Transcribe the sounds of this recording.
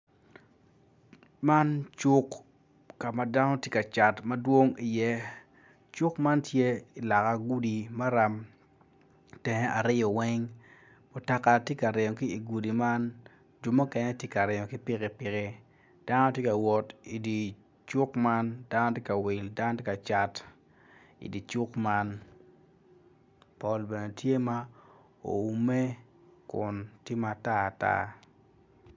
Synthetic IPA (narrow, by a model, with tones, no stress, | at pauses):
ma˦nt͡ʃʊ˦kː | a˨ma˨da˦nɔ˦tje˦ka˨t͡ʃa˨tmɐ˦dwo˦ŋi˨jɛ˦ | t͡ʃʊ˦kma˦ntʰje˦i˨la˨ka˨ɡu˦di˨ma˦ɾa˦m | tɛ˨nɛ˦ʔa˨ɾɪ˦jɔ˨wɛ˦ŋ | mʊ˨ta˨ka˨tje˦ka˨ɾɪ˨ɲɔ˨kɪ˦i˨ɡu˨di˨ma˦n | d͡ʒu˨mo˦kɛ˦nɛ˦tje˦ka˨ɾɪ˨ɲo˨kɪ˦pɪ˦kɛ˨pɪ˨kɛ˦ | d̥a˦nɔ˦tje˦ka˨wɔ˨ti˨di˨ | t͡ʃʊ˦kma˦nda˦no˦tje˦ka˨wɪ˨lda˦n˦tɪ˦ka˨t͡ʃa˦t | ḭ˨di˨t͡ʃʊ˦kma˦n | pɔ˦lbe˨ne˨tʰje˦ma˦ | o̰˨u˨me˦kʊ˨ntje˦ma˨ta˦a˨ta̰˦